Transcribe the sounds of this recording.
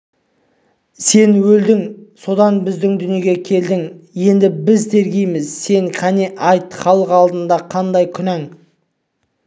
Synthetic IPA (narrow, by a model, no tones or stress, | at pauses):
se̞nwɵld̪ɪŋso̞d̪ɑnbɪzd̪ɪŋd̪ʏnje̞ɡʲe̞kʲʰe̞ld̪ɪŋje̞nd̪ɪbɪzd̪e̞ɾɡʲe̞jmɪzse̞ŋqʲʰæneʔɑjt̪χɑlˠəqɑlˠd̪ənd̪ɑqʰɑnd̪ɑjkʲʰʏnæŋ